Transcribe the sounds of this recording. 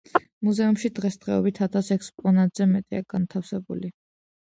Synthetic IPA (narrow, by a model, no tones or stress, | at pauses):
muzɛumʃid̪ʁɛsd̪ʁɛɔbit̪ʰat̪ʰasɛkspʼɔnat̪ʼz̥ɛmɛt̪ʼiaɡ̥ant̪ʰafsɛbṵli